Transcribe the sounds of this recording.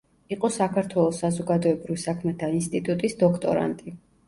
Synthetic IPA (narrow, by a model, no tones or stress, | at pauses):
iqʼɔsakʰaɾt̪ʰwɛlˠɔsːazɔɡad̪ɔɛbɾivisakʰmɛt̪ʰainst̪ʼit̪ʼut̪ʼisd̪ɔkʰt̪ʼɔ̰ɾa̰nt̪ʼi